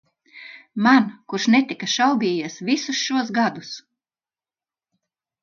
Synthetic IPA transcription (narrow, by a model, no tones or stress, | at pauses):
mankuɾʃnɛt̪ikaʃawbʲiːjɛɛsvisusʃuɔs̬ɡad̪us